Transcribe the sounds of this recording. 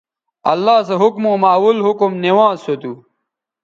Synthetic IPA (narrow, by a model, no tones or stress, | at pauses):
ɐlːaːseɦukmõːmaːwulɦukumniwãːzsot̪uː